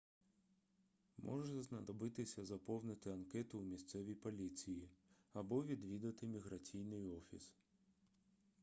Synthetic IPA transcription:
mʔɔ̰ʒɛznɐd̪ɔbɪt̪ɪsʲɐzɐpɔwnɪt̪ɪɐnkɛt̪ʊːmʲist̪sɛʋʲipɔlʲit͡sʲiji | ɐbɔʋʲid̪ʋʲid̪ɐt̪ɪmʲiɦɾɐt͡sʲijnɪjɔfʲḭs

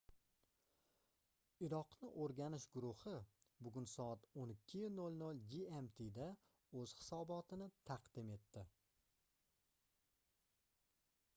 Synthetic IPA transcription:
ɪɾɒqnɪʔoɾɡʲanɪʃɡʊɾʊhɪbʊɡʲʊnsɒat̪onɪkʲʰːɪjʊnolnolˠd͡ʒiemt̪ʰɪd̪a | ɵz̥hɪ̥sɒbɒt̪ʰɪnɪt̪ʰɑqd̪ɪme̞t̪ʰːɪ

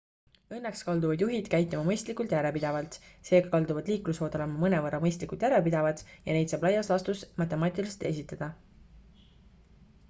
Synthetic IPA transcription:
ɤnːekskɑld̪uvɑd̪juɦid̪̥kæjt̪ːˑimɑmɤjst̪likˑult̪jæɾepid̪̥ɑvɑlt̪se̞ːɡ̥ɑkɑld̪uvɑd̪̥liːklusho̞ːd̪̥ɑlemɑmɤnevɤrɑmɤjst̪likult̪jæɾepid̪̥ɑvɑt̪jɑne̞jd̪sɑːb̥lɑjːɑslɑst̪usmɑt̪ːˑemɑːt̪ʲilise̥t̪e̞s̬ʲit̪ːˑɑd̪̥ɑ

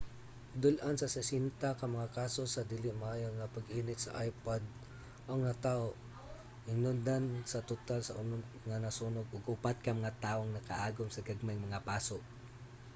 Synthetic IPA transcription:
d̪ʊlʔansɐsɛsint̪akɐmɐŋakaːsosɐd̪ilɪmaʔaːjoŋɐpɐɡʔinɪt̪sɐ̰ʔajpad̪̚ | ʔoŋat̪ao | ʔɪŋnʊnd̪ansɐt̪ʊt̪alsɐʔʊnʊŋanɐsunoɡʊɡʔʊpat̪̚kɐmɐŋat̪aːʔoŋnɐkaʔaːɡʊmsɐɡaɡ̚maŋmɐŋapaːsoʔ

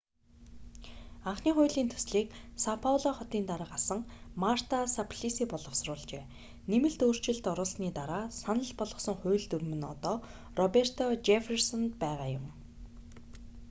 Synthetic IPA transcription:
aɴχniːχʊ̟ːɮiːnt̪ʰu̥sɮiːksapʰawɮɔχɔt̪iːnt̪aɾaːɢasə̆ŋmar̥t̪ʰasapʰɮisiːpɔɮʁɞ̆χsrʊːɮt͡ɕeː | nemɘ̆ɮt̪oːr̥t͡ɕɪ̆ɮt̪ɔɾʊːsniːt̪aɾaːsanə̆ɮpɔɮʁɞ̆sɞ̆ŋχʊːɮt̪ɵɾmɘ̆nɔ̰t̪ɔː | rɔper̥t̪ʰɔt͡ɕefersɔnt̪pæːʁaːjʊm

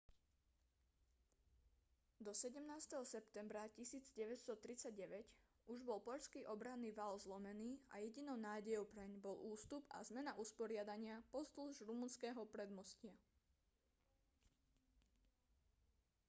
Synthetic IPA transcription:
d̪ɔsɛɟɛmnaːst̪ɛɦɔsɛpt̪ɛmbɾacisiːd͡zɟɛʋɛst̪ɔt̪ɾit͡saɟɟɛʋɛc | ʔuʒbɔlpɔʎskiːʔɔbɾanːiːʋalzlɔmɛniːa̰jɛɟinɔʊnaːɟɛjɔʊpɾɛɲbɔluːst̪upa̰zmɛnaʔuspɔɾɪad̪aɲɪapɔst̪luʒɾumunskɛːɦɔpɾɛd̪mɔscɪa

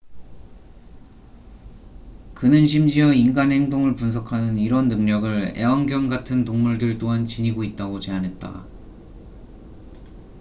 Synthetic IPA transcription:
kɯnɯnɕʰimd͡ʑiʌinɡanhe̞ŋdoŋɯɭpuns̬ʰʌkʰanɯniɾʌnːɯŋɲʌɡɯɭe̞̰waŋɡjʌŋɡatʰɯntoŋmuɭdɯɭt͈oɦant͡ɕiɲiɡoit̚t͈aɡot͡ɕe̞anɦe̞t̚t͈a̰

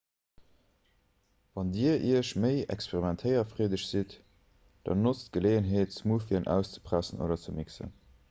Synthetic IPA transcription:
vɑndiːəʔiəʃməɪɛ̰kspeʁimæntʰəɪɐfʁiːdəɕz̥it | d̥ɑ̰nːot͡stɡ̥əleːənɦeːtt͡səmufiənʔæ̰ʊst͡sə̥pʁæsənʔo̰ːdɐt͡səmiksə̰n

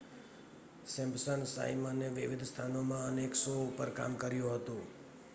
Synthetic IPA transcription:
sɛ̃mbsənsa̰imaneʋɪʋɪd̪ʱst̪ʰanomãəneksopəɾka̰mkəɾjũɦət̪õ

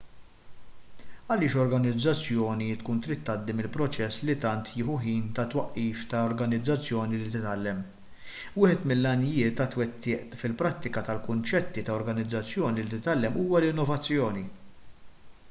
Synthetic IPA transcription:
ɐlɪːʃɔɾɡɐnɪd͡zːɐt͡sːjɔːnit̪kuːnt̪ɾit̪ːɐd̪ːimɪlpɾɔt͡ʃɛsːlit̪ɐnt̪ʰjɪːħuħiːnt̪ɐt̪wɐʔːiːft̪ɐɔɾɡɐnɪd͡zːɐt͡sːjɔːnilit̪ɪt̪ɐlːɛm | wɪːħɛt̪mɪlːɐnɪjɪːt̪ːɐt̪wɛt̪ːɪːʔfɪlpɾɐt̪ːɪkɐt̪ɐlkʊnt͡ʃɛt̪ːit̪ɐɔɾɡɐnɪd͡zːɐt͡sːjɔːnilit̪ɪt̪ɐlːɛmuːwɐlɪnːɔvɐt͡sːjɔːni

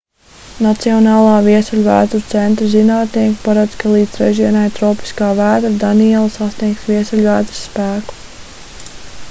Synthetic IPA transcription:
nat̪siɔnaːlˠaːviɛsulʲvæ̰ːuɾt̪sɛnt̪ɾizinaːt̪niɛkpaɾad̪z̥kalˠiːd̪zɾɛ̰ʒiɛnajt̪ɾɔːpi̥skaːvæːd̪ɾd̪aniɛlˠsasnʲiɛksviɛsulʲvæːd̪ɾsːpæːku̥

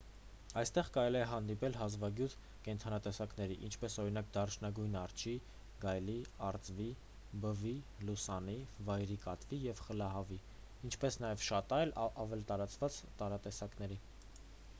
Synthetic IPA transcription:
ɑjst̪ɛʁkɑɾɛliɛɦɑn̪d̪ipɛlɦɑzvɑɡjut̪ʰ | kɛnt̪ʰɑnɑt̪ɛsɑknɛɾiʔint͡ʃʰpɛsɔɾin̪ɑk̚d̪ɑrt͡ʃʰnɑɡujnɑrt͡ʃʰi | ɡɑjliɑɾt͡svi | bəvilusɑnivɑjɾikɑt̪vijɛvχəlɑɦɑvi | int͡ʃʰpɛsn̪ɑjɛvʃɑt̪ɑjlɑvɛlt̪ɑɾɑt͡svɑt͡st̪ɑɾɑt̪ɛsɑknɛɾi

